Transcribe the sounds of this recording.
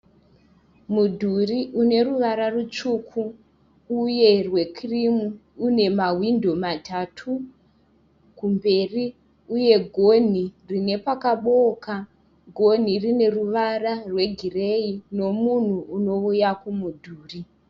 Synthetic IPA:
mudʱuriʔune̞ruʋaɾarut͡ʃukʰuː | je̞rwe̞kʰrimu | une̞mawindo̞matʰatʰu | kumbe̞ri | uje̞ɡʱo̞n̤irine̞pakaɓoka | ɡʱo̞n̤irine̞ruʋararwe̞ɡʱire̞ino̞mun̤uːno̞ujakumudʱuːri

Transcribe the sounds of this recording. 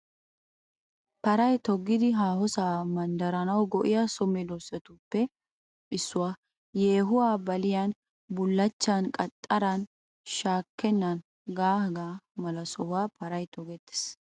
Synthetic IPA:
pɐɾɐjt̪ɔɡːɪd̪ɪɦaːhɔsaːmɐnd̪ɐɾɐnɐwɡɔʔɪjasɔmɛd̪osɛt̪upːɛ | ʔɪsːʊwaː | jeːɦʊwaːbɐlɪjan | bʊlːɐt͡ʃːankʼɐt̪ʼːɐɾɐn | ʃaːkːɛnːɐn | ɡaːhɡaːmɐlɐsɔhʊaːpɐɾɐjt̪ɔɡɛt̪ːɪ̥s

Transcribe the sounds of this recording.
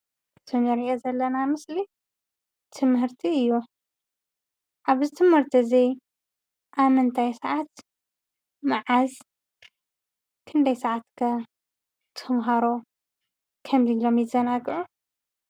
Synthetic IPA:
ɨt̪ʰɨnɐɾiʔozɐlːɐnamɨsli | t̪ʰɨmɦɨɾt̪ʰiɨjːu | ʔaβzɨt̪ʰɨmhɨɾt̪ʰɨzi | ʔaβmɨnt̪ʰajsɐʕat̪ | maʕaz | kʰɨnd̪ɐjsɐʕat̪kʰɐ | t̪ʰɨmɦaɾo | kʰɐmzilomjɪzɐnaɡɨʕu

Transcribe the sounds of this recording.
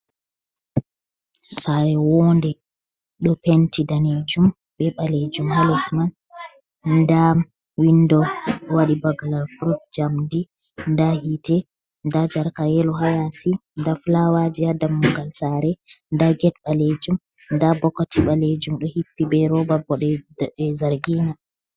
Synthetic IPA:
saɾɛwɔndɛ | ɗɔpentʰidaned͡ʒum | ɓɛɓaled͡ʒumhalɛsman | nda | windɔwaɗibaɡalalkɾufd͡ʒamdi | ndahitɛ | ndad͡ʒaɾkajɛlɔɦajasindafulawad͡ʒiadamuŋɡalsaɾɛndaɡɛt̚ɓaled͡ʒum | ndabɔkːɔtiɓaled͡ʒumɗɔhipːibɛɾɔbabːɔɗɛzaɾɡiːna

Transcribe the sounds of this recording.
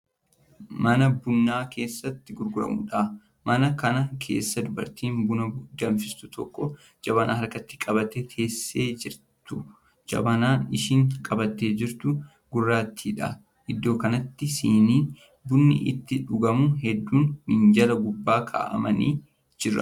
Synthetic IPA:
mɐnɐbʊnːaːke̞ːsːɐt̪ːɪɡʊɾɡʊɾɐ̰mʊ̰ᶑa | mɐnɐkɐnɐkʰe̞̰ːsːɐd̪ʊbɐ̰ɾt̪iːnbʊnɐd̪ɐmfɪst̪ʊt̪ʰɔkːɔ | d͡ʒɐbɐnʔa̰ːhɐɾkɐt̪ːɪ̥kʼɐbɐt̪et̪ʰe̞ːsːeːd͡ʒɪɾt̪ʊ | d͡ʒɐ̰bɐnaːnɪʃiːŋkʼɐbɐt̪ːe̞ːd͡ʒɪɾt̪ʊ | ɡ̥ʊrːaːt̪ʰːiːᶑɐ̰ | ʔɪd̪ːo̞ːkɐnɐt̪ːɪsiːniː | bʊnːɪ̰ʔɪ̰t̪ːɪᶑʊɡɐmʊɦɛd̪ːuːnmɪnd͡ʒɐlɐɡʊbːaːkʰa̰ːʔɐ̰mɐniː | d͡ʒɪrːɐ̰

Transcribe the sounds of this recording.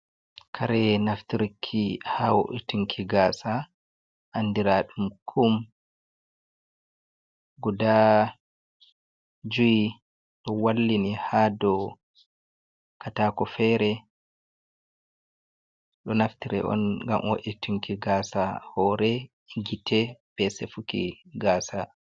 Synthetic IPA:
kʰaɾɛnaftiɾikʰːihawo̰ʔituŋkʰiɡaːsa | ʔandiɾaɗumkʰum | ɡuda | d͡ʒuji | ɗɔwalːinihaːdɔ | kataːkɔfɛɾɛ | ɗɔnaftiɾɛ̰ʔɔ̰nɡa̰mwo̰ʔituŋkiɡaːsahɔɾɛ | ɡitʰɛb̥ɛsefukḭɡaːsa

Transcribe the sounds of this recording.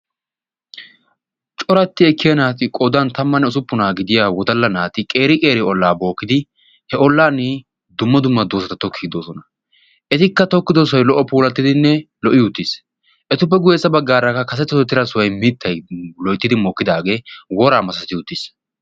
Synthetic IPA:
t͡ʃʼɔɾɐt̪ːɪɛkːɪjɐnaːt̪ɪkʼɔd̪ɐnt̪ɐmːɐnːɛʊsʊpːʊnaːɡɪd̪ɪjaːwɔt̪ɐlːɐnaːt̪ɪkʼeːɾɪkʼe̞ːɾɪɔlːaːbo̞ːkːɪd̪ɪ | hɛɔlːaːnɪ | d̪ʊmːɐd̪ʊmːɐd̪oːsɐt̪ɐt̪ɔkʰːiːd̪oːsɔnɐ | ʔɛt̪ɪkːɐt̪ɔkːɪd̪os̬ɔjlɔʔːɔpuːlɐt̪ːɪd̪ɪnːɛ | lɔʔɪʊt̪ːis | ʔɛt̪ʊp̬ːɛɡʊjeːt͡sːɐbɐɡːaːɾɐkːɐkɐs̬ɛt̪ːɐt̪ɔt̪ːɪɾɐsʊwɐjmit̪ʰːɐjlɔjt̪ːɪd̪ɪmɔːkːɪd̪aːɡe̞ːwɔɾaːmɐsɐsɐt̪ɪʊt̪ːis

